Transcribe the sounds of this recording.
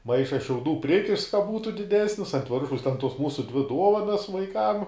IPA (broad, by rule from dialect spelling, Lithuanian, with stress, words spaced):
ˈmɐɪʃɐs ʃʲɛʊˈduː ˈpʲrʲɪkʲɪʃts kɐ ˈbuːtʊ dʲɪˈdʲæːsʲnʲɪs ɐnt ˈʋʲɪrʃɐʊs tʲɛn ˈtuɔs ˈmuːsʊ ˈdʲʋʲɪ ˈduɔʋɐnɐs ʋɐɪˈkɐm